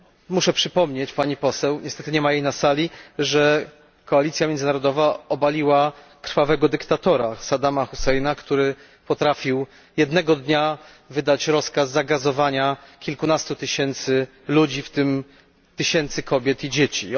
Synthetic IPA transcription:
muʂɛpʂɘpɔmɲet͡ɕpaɲipɔsɛwɲɛst̪ɛt̪ɘɲɛmajejnasalʲiʐɛ | kɔalʲit̪sʲjamʲjɛnzɨnaɾɔd̪ɔvaɔbalʲiwa | kɾ̥favɛɡɔd̪ɘkt̪at̪ɔɾasad̪amaxusɛjnakt̪uɾɘ | pɔt̪ɾafʲiw | jɛd̪nɛɡɔd̪ɲa | vɘd̪at͡ɕɾɔskazːaɡazɔvaɲakʲilkunast̪ut̪ɘɕɛnt̪sɘ | lud͡ʑift̪ɘm | t̪ɘɕɛnt̪sɘkɔbʲjɛt̪id͡ʑet͡ɕḭ

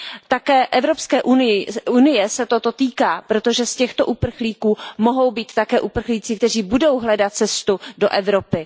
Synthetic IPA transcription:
t̪akɛːʔɛvɾo̞pskɛːʔunɪjɪunɪjɛsɛt̪o̞t̪o̞t̪iːkaːpɾo̞t̪o̞ʒɛscɛxt̪o̞̰ʔupr̩xliːkuːmo̞ɦo̞wbiːt̪ːakɛːʔupr̩xliːt͡sɪkt̪ɛr̝iːbudo̞wɦlɛdat̪̚t͡sɛst̪udo̞̰ʔɛvɾo̞pɪ

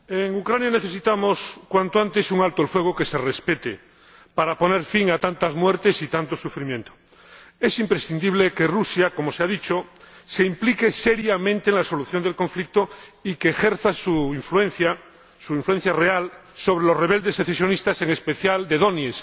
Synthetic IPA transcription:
eŋukɾanjaneθe̞sit̪amoskwant̪oant̪e̞suŋalt̪oelfwe̞ɣ̞oke̞se̞respet̪ḛ | paɾapo̞ne̞ɾfiŋat̪ant̪azmwe̞ɾt̪esit̪ant̪osufɾimjent̪o̥ | e̞simpɾesθind̪iβ̞leke̞rusjako̞moseaðit͡ʃoseimplike̞seɾjamẽnt̪eːŋlaso̞luθjond̪e̞lkõ̞ɱflik̚t̪oikeːxeɾθasuiɱfluenθja | suĩɱflue̞n̟θjare̞also̞β̞ɾelo̞sreβ̞e̞ld̪e̞seθesjonist̪ase̞ŋespeθjald̪eðonjes

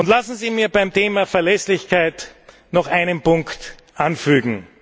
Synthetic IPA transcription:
ʊntlasn̩ziːmiːɐbaɪmteːmafɛɐlɛslɪçkʰaɪt | nɔχaɪnənpʊŋkt | ʔanfyːɡŋ̩

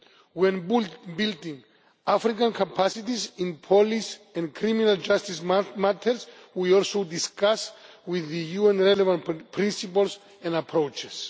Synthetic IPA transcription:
wɛ̃nbbildĩŋ | afɾikãnkʰapʰasitizĩnpʰɔlisɛ̃nkʰɾĩminald͡ʒastismatʰəɹswiɔlsodiskaswiðɨjuɛ̃nɹɛlɛvãntpʰɹĩnsipəls | ɛ̃napʰɹot͡ʃɛs

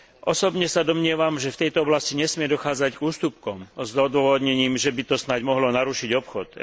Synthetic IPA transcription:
ʔɔsɔbɲɛsad̪ɔmɲɪɛʋamʒɛft̪ɛjt̪ɔɔblasciɲɛsmɪɛd̪ɔxaːd͡zaɟɡuːst̪up̚kɔmzɔd̪ʊʋɔʋɔd̪ɲɛɲiːmʒɛbit̪ɔsnaɟmɔɦlɔnaɾuʃiɟɔpxɔt̪

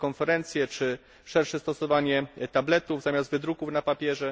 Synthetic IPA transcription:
kɔnfɛɾɛnt̪sʲjɛt͡ʂɘ | ʂɛɾʂɛst̪ɔsɔvaɲɛt̪ablɛt̪uvzamʲasd̪vɘd̪ɾukufnapapʲjɛʐɛ

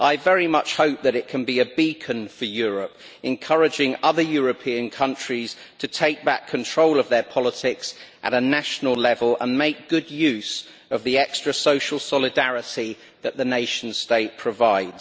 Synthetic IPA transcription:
ʔaɪvɛɹimʌt͡ʃhəʊp̚ðəɾɪʔ̚kʰə̃nbiəbiˑkʰə̃nfəjɔːɹəp | ɛ̃nkʰʌɹɪd͡ʒɪ̃ŋʌðəjɔːɹəpʰĩə̃nkʰʌ̃nt͡ʃɹ̥iz̥ | tʰətʰeɪk̚b̥a̰kʰə̃ntʰɹ̥oʊləvðəpʰɒlətʰɪksʔə̰ɾənaʃənəlˠlɛvəlˠə̰̃nmeɪk̚ɡ̥ʊdjʉˑz̥ | əvðiɛkstɹ̥əsəʊʃəl̩ˠsɒlɪdaɹɪti | ðəʔðəneɪʃə̃n̩̥steɪʔ̚pʰɹ̥əvaɪdz̥

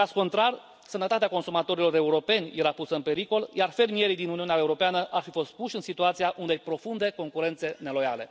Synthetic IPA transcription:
kasko̞nt̪ɾar | sənət̪at̪eako̞nsumat̪o̞ɾilo̞ɾe̞uɾo̞pe̞nʲje̞ɾapusəɨnpe̞ɾiko̞ljarfe̞rmije̞ɾijd̪inuniuneaeuɾo̞peanəʔarfifo̞st̪̚puʃʲɨnsit̪uat̪sijaʔund̪ejpɾo̞fund̪e̞ko̞ŋkuɾe̞nt̪se̞ne̞lo̞ja̰le̞

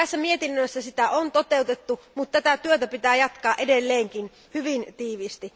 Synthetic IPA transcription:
æsːæmiet̪inːøisːæsit̪æʔont̪ot̪eut̪et̪ːumut̪t̪æt̪æt̪yøt̪æpit̪æːjɑt̪kɑːʔedelːeːŋkin | hyʋint̪iːʋist̪i

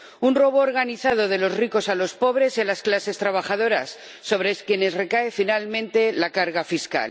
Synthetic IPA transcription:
unro̞βoːɾɣ̞aniθað̞o̞ð̞e̞lo̞zriko̞salo̞spo̞βɾe̞selasklase̞st̪ɾaβaxað̞o̞ɾasː | o̞β̞ɾeskje̞ne̞zre̞kaefinalmẽ̞nt̪e̞lakaɾɣafiska̰l

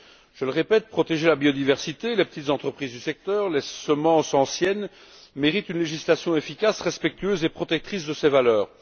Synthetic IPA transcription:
ʒ̥ələʁepɛt̪̚pχɔt̪eʒelabjod̪ivɛʁsit̪elepə̥t̪it̪zɑ̃t̪χəpχizd̪ysɛk̚t̪œːʁlesəmɑ̃sɑ̃sjɛn | meʁit̪ynleʒislasjɔ̃efikʲasʁɛspɛk̚t̪yøːzepχɔt̪ɛk̚t̪χis̬d̪əsɛvalœːʁ

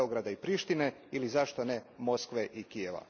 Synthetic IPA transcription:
oɡɾad̪aipɾiʃt̪ineilizaʃt̪onemo̞skʋeʔikieʋa̰

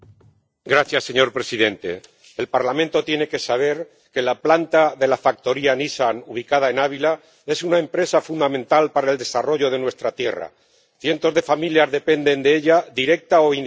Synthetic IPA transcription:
ɡɾaθjasːe̞ɲo̞ɾpɾe̞siðe̞nt̪e̞̰ː | lpaɾlamẽnt̪o̞t̪je̞ne̞ke̞saβ̞e̞ɾ | ke̞laplant̪aðe̞lafak̚t̪o̞ɾianisanuβ̞ikað̞ae̞naβ̞ila | e̞sunaempɾe̞safund̪amẽ̞nt̪alpaɾae̞ld̪e̞saro̞ʝo̞ð̞e̞nwe̞st̪ɾat̪je̞ra̰ | θje̞nt̪o̞zðe̞familjazðe̞pe̞nd̪e̞nd̪eeʎaðiɾe̞k̚t̪aoi

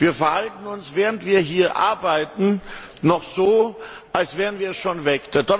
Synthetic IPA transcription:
viːɐfɛɐhaltn̩ʊnsv̥eːʁəntv̥iːɐɦiːɐʔa̰ɐbaɪtn̩ | nɔχz̥oː | ʔalsv̥eːʁənviːɐɛsʃoːnvɛkd̥edɔ

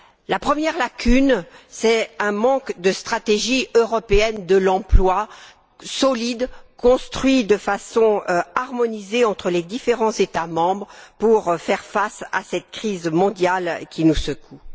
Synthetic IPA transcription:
lapχəmjɛʁlakʲʰynsɛɛ̃mɑ̃kd̪əst̪χat̪eʒiøʁɔpeɛnd̪əlɑ̃plwa | sɔlid̪kɔ̃st̪χɥid̪əfasɔ̃aʁmɔnizeɑ̃t̪χəled̪ifeʁɑ̃zet̪amɑ̃bʁpuʁfɛʁfasa̰sɛt̪̚kχizmɔ̃d̪jalkʲinusəku

